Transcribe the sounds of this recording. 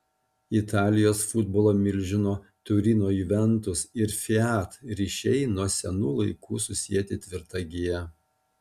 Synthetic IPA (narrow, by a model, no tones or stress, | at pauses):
ɪt̪ʰɑːlʲɪjoːsfʊd̪bolˠoːmʲɪlʲʒʲɪnoː | t̪ʊɾʲiːnoːjiːʋʲɛnt̪ʊsɪɾfʲɪæt̪ɾʲiːʃʲɛɪnuɔsʲɛnuːlˠɐɪkuːsʊsʲiɛt̪ʲɪt̪ʲʋʲɪɾt̪ɑɡʲijɛ